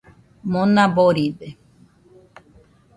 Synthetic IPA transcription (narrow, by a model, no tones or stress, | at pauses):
mõnaboɾide